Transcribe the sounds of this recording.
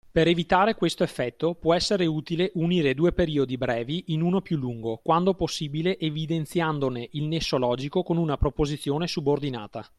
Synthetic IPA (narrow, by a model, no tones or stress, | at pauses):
peɾevit̪aːɾekwest̪oefːɛt̪ːopwɔɛsːeɾeuːt̪ileʔuniːɾed̪uːepeɾiːod̪ibɾɛːviʔinuːnopjulːuŋɡokwand̪oposːiːbileʔevid̪ent̪sjand̪oneʔilnesːolɔːd͡ʒikokonunapɾopozit̪sːjoːnesubord̪ina̰ːt̪a